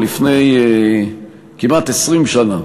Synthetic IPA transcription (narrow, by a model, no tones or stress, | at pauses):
lifnej | kimat̪esʁimʃana